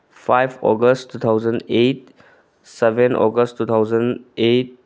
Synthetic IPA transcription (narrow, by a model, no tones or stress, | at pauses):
pʰajpʰɔ̰ɡəstːut̪ʰawzəndet̚ | sebʱenɔ̰ɡəsttːut̪ʰawzənet̚